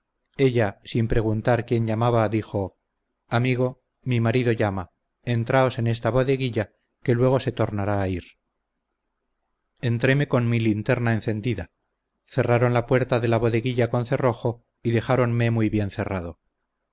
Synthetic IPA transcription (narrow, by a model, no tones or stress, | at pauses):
e̞ʎasimpɾe̞ɣ̞unt̪aɾkje̞nʝamaβaðixo̞ | amiɣ̞o̞ | mimaɾiðo̞ʝama | e̞nt̪ɾao̞se̞ne̞s̬t̪aβo̞ðe̞ɣiʎa | ke̞lwe̞ɣ̞o̞se̞t̪o̞ɾnaɾaːiɾ | e̞nt̪ɾe̞me̞ko̞nmilint̪e̞ɾnae̞nθe̞nd̪iða | θe̞raɾo̞nlapwe̞ɾt̪aðe̞laβo̞ðe̞ɣiʎako̞nθe̞ro̞xo̞ | iðe̞xaɾo̞nme̞mujβje̞nθe̞rað̞o̞